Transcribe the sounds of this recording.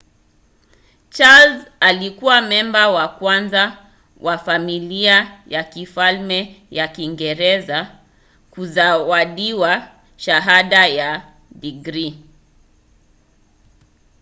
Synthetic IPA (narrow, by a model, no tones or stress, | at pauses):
t͡ʃalzalikuwamɛmbawakwanza | wʔafamiliajakifalmɛ | jakiŋɡɛɾɛza | kuzawaɗiwa | ʃaɦaɗaja | ɗiɡɾi